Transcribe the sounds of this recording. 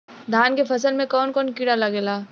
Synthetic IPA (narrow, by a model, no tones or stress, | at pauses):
d̪ʱaːnkefɐs̬əlmẽkɔːnkɔːnkiɽalɐɡeːlaː